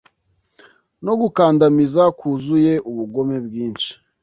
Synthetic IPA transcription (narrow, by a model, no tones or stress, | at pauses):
no̞ɡukaːndamizakʰuzuje̞ʔuβuɡo̞me̞bɡiːnʃi̥